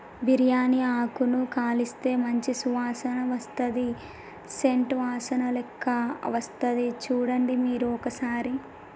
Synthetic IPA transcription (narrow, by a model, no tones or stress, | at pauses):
biɾjaːniaːkunukaːlist̪e̞ːmɐɲt͡ʃisuʋaːsɐnɐʋɐst̪ɐd̪i | se̞ɳʈʋaːsɐnɐlɛkʰːɐʋɐst̪ɐd̪it͡ʃuːɽɐɳɖimiːɾuɔkɐsaːɾi